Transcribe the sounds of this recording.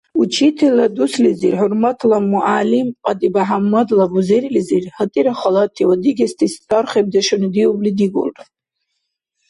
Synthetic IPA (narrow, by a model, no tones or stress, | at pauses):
ut͡ʃʰitʰilad̪uslizirħʊrmatʰlamuʔalimqʼad̪ʼibaħamːadlabuzeɾlizirhatʼiɾaχalatʰiwad̪iɡʲastʰist͡sʰarχeb̚d̪aʃanid̪iublid̪iɡʷʊ̰ltʼ